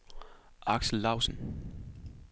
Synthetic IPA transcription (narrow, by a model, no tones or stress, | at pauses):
ʔɑ̈ɡ̥sl̩ːɑ̈ʊsən̩